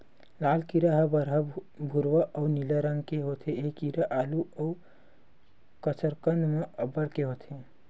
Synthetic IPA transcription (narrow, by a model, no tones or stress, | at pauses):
laːlkiɾəɦəbəɾɦə | bʱuɾʋəʔəʊniləɾəŋɡkeɦot̪ʰeekiɾəʔaːluəu | kəsʰəɾkənd̪meəbəɾkeɦot̪ʰe